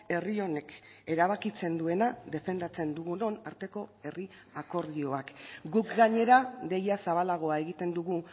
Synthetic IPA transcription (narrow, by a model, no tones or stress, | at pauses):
e̞rio̞ne̞ke̞ɾaβ̞akit͡se̞nd̪ue̞naðe̞fe̞nd̪at͡se̞nd̪uɣuno̞naɾt̪e̞ko̞e̞ri | ako̞ɾð̞io̞akɡukɡaɲe̞ɾaðe̞jasaβalaɣ̞o̞ae̞ɣit̪e̞nd̪uɣu